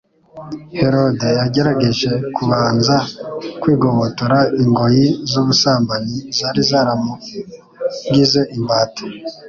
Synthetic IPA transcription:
he̞ɾo̞de̞jaɟe̞ɾaɡe̞ʒe̞kuβaːnzakwiːɡoβotoɾaiŋɡo̞jizuβusaːmbaɲizaːɾizaɾamo | ŋɡize̞ʔimbaːto̥

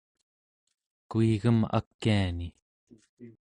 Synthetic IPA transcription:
kuiɣəma̰kːiani

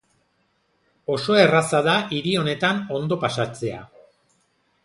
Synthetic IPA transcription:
o̞so̞e̞rasaðaʔiɾio̞ne̞t̪ano̞nd̪o̞pasat͡se̞a̰

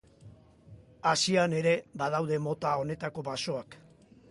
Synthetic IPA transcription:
asiane̞ɾe̞bað̞awðe̞mo̞t̪ao̞ne̞t̪ako̞βaso̞ak

